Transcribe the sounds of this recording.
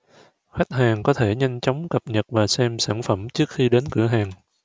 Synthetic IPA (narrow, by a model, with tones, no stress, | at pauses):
xa˦˥jk̟̚haː˨˩ŋkɔ˨˦t̪ʰe˧˩ɲa˧jŋ̟t͡ɕɔ˨˦wŋ͡mkə˨˩p̚ɲə˨˩t̚vaː˨˩sɛ˧msaː˧˩nfə˧˩mt͡ɕɨ˦˥ək̚xi˧ɗe˨˦nkɨ̰˧˩əɦaː˨˩ŋ